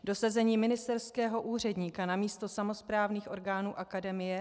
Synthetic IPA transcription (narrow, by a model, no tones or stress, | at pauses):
do̞sazɛɲiːmɪnɪst̪ɛɾskɛːɦo̞ʔuːr̝ɛdɲiːkanamiːst̪o̞samo̞spɾaːvniːxʔo̞ɾɡaːnuːʔakadɛmɪjɛ